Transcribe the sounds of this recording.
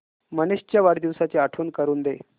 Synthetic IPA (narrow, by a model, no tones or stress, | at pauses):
məneɕt͡ɕjaʋaɽd̪iʋsat͡seaʈʰuːnkəɾuːnd̪e